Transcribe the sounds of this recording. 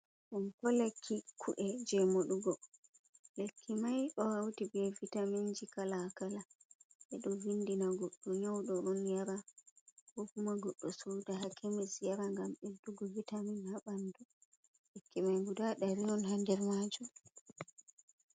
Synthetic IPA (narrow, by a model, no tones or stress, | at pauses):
ʔumkɔlekʰːikʰuʔɛd͡ʒɛmoɗuɡɔ | lekʰːimajʔɔhawtibɛvitamiɲd͡ʒikalakalaʔɛ̰ɗɔvindinaɡɔɗːɔɲawɗɔʔɔnjaɾakɔkumaɡɔɗːɔsowdaɦakʰemisjaɾaŋɡamɛduɡɔvitaminhaɓandu | lekʰːimajɡudaɗaɾiɔnhandɛɾmad͡ʒu